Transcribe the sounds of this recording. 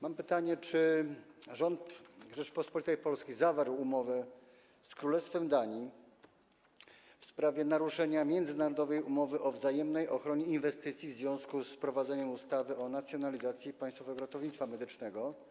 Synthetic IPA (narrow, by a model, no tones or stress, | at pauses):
mampɘt̪aɲɛt͡ʂɘ | ʐɔnt̪ʐɛt͡ʂpɔspɔlʲit̪ajpɔlskʲizavaɾwumɔvɛ | skɾulɛst̪fɛmd̪aɲi | fspɾavʲjɛnaɾuʂɛɲamʲjɛnd̪zɘnaɾɔd̪ɔvɛjumɔvɘʔɔvzajɛmnɛjʔɔxɾɔɲɛinvɛst̪ɘt̪sʲivzvʲjɔ̃w̃skuspɾɔvad̪zɛɲɛmust̪avɘɔnat̪sʲjɔnalʲizat̪sʲjipaj̃st̪fɔvɛɡɔɾɔt̪ɔvɲit̪sfamɛd̪ɘt͡ʂnɛɡɔ